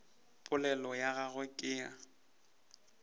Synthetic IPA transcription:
pʼʊlɛlɔjaɣaɣwʊkʼɪa

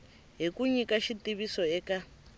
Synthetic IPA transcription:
ɦikuɲikaʃitiβisɔɛːka

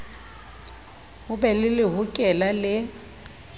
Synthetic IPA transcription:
ɣʊbɛlɪlɪɦʊkʼɛlalɪ

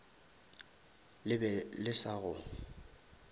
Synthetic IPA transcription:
lɪbɛlɪsaɣʊ

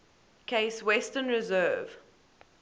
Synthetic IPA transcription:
kʰeɪswɛstənɹɛzɜːv̥

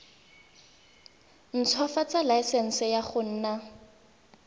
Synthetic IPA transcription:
n̩t͡sʰwɔfat͡salaɪsɛn̩sɪjaχʊn̩ːna

